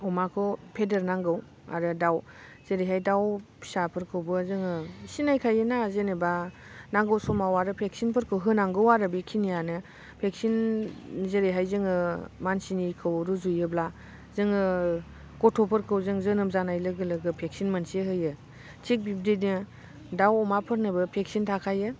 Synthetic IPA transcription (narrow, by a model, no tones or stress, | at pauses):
ɔmakʰɔpʰedeɾnaŋɡɯw | a̰ɾɯdaw | zeɾejɦajdawpʰsapʰɯɾkʰɯwbɯzɯŋɯsinajkʰajɯnazeneba | naŋɡɯwsɔmawaɾɯpʰeksinpʰɯɾkʰɯwɦɯnaŋɡɯwaɾɯbikʰinijanɯ | pʰek̚sin | zeɾeɦajzɯŋɯmansinikʰɯwɾuzujɯbla | zɯŋɯ | kɔtʰɔpʰɯɾkʰɯwzɯŋzɯnɯmzanajlɯɡɯlɯɡɯpʰek̚sinmansiɦɯjɯ | tʰik̚bib̚dednɯ | dawɔmapʰɯɾnɯbɯpʰek̚sintʰakʰajɯ